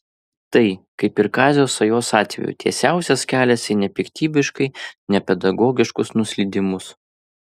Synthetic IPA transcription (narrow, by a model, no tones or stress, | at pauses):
t̪ɐɪkɐɪpɪɾkɑːzʲoːsɐjoːsɑːt̪ʲʋʲɛ̰jṵːˑt̪ʲḭɛsʲæˑʊsʲɛskʲæːlʲɛsɪnʲɛpʲɪkt̪ʲiːbʲɪʃkɐɪnʲɛpʲɛd̪ɐɡɔːɡʲɪʃkʊsnʊsʲlʲid̪ʲɪmʊs